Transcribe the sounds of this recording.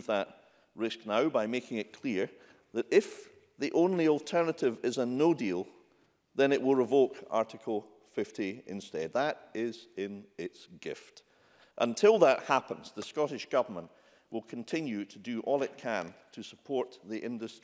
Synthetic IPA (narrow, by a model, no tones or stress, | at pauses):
vðəʔ | ɹɪsk̚naʊbaɪmekɪ̃ŋɪʔ̚kʰl̥iɹ | ðəɾɪf | ðiʔõnlˠiɔlˠtʰɜ˞nəʔɪvɪzənodilˠ | ðə̃nɪʔwɪlˠɹɪvoka̰ɹʔɪkʰəl̩ˠ | fɪftiɪ̰̃nstɛd̪̚ðəɾɪzɪ̃nɪtsɡ̥ɪ̰ft | ʔə̰̃ntʰɪlˠðəʔhapə̃nz̥ðəskɔɾɪʃɡ̥ʌvə˞mə̃nʔ | wɪlˠkʰə̃ntʰɪ̃njʉɾʰədɨʔɔlˠɪt̚kʰə̃ntʰəsəpʰɔɹʔðiʔɪ̃ndəs